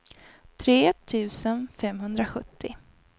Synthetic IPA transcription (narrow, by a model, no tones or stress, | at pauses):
t̪ʰɾeːt̪ʰʉ̟ːsənfɛmɦɵnd̪ɾaɧɵt̪ʰːɪ